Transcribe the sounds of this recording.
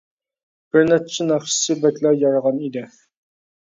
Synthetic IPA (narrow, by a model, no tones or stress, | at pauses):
b̥ɪɾnæt̚t͡ʃʰɪnɑχʃi̥sɨbɛkʲlæjɑɾəʁɑnid̪ɪ